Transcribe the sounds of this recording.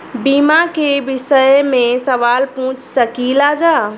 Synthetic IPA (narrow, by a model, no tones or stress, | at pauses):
biːmakʰebɪsəjmẽsɐʋaːlpũːt͡ʃʰsɐkiːlaːd͡ʒaː